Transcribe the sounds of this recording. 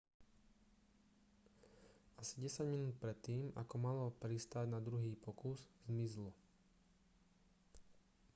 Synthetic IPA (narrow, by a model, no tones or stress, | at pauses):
asiɟɛsaɟminuːt̪̚pɾɛt̪ːiːma̰kɔmalɔpɾist̪aɟnad̪ɾuɦiːpɔkuzzmizlu